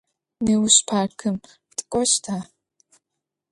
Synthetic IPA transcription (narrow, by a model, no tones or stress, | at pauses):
neːwʊɕpʰaːrkʰɨm | tʼɨ̥kʷʼɔɕtʰaː